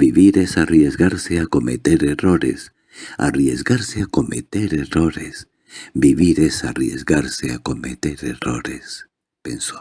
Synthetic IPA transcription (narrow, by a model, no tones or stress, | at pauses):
biβiɾesarjezɣaɾseako̞met̪eɾeroɾḛs | a̰rjezɡaɾseako̞met̪eɾeroɾḛs | biβiɾesarjezɡaɾseako̞met̪eɾeroɾes | pḛnso